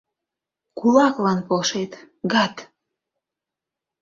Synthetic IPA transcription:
kulɑklɑnpolʃet̪ | ɡɑt̪

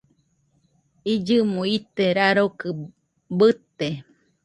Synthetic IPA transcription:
id͡ʒɨmõit̪eɾaɾokɨ | bɨt̪e

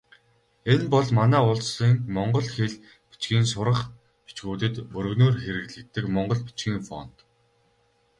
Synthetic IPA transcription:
enpɔɮmanæːʊɮsiːŋmɔɴɢɞ̆ɮxeɮ | pi̥t͡ɕɡʲiːnsʊɾə̆χ | pi̥t͡ɕɡuːt̪ɘ̆t̪ɵɾɵ̆ɣnoːrxeɾɘ̆ɣɮɘ̆k̚t̪ːɘ̆kmɔɴɢɞ̆ɮpi̥t͡ɕɡiːŋfɔ̰n̥t̪

